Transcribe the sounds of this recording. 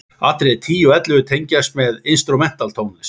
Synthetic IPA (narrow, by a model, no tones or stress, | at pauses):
a̰t̪ɾet̪ʰiːjʏɛt̪lɪɣʏt̪ʰejɲcast̪mɛðɪnst̪ɾumɛn̥t̪alt̪ʰoːwnlɪs